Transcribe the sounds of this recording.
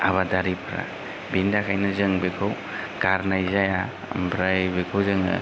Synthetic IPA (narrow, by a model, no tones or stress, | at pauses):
aβadaɾipʰɾa̰ | bindakʰajnɯzɯŋbekʰaw | ɡaɾnajzaja̰ | mbɾajbekʰowzɯŋa̰